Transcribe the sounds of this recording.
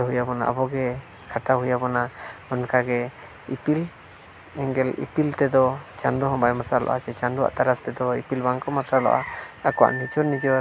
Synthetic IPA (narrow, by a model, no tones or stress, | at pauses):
ɦujabɔna̰ʔabɔɡɛ | kʰaʈaɦujabɔnaɔnkaɡɛ | ipil | ɛŋɡɛlḭpilt̪ɛd̪ɔt͡ʃand̪ɔɦɔ̃bajmaɾsalɔ̰ʔasɛt͡ʃãnd̪ɔa̰ʔt̪aɾast̪ɛd̪ɔipilbaŋkɔmaɾsalɔ̰ʔaakɔwa̰ʔnit͡ʃɔɾnid͡ʒɛw